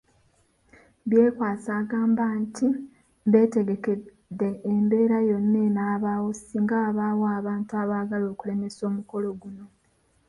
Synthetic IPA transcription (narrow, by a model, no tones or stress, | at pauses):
βjeːkwaːt͡saːɡaːmbanti | βe̞ːte̞ɡe̞ke̞ | d̪ːe̞ːmbe̞ːɾajo̞nːe̞naːβawo̞siːŋɡaaβawoaːβaːntuaβaːɡalo̞ːkule̞me̞so̞ːmuko̞loɡuno̞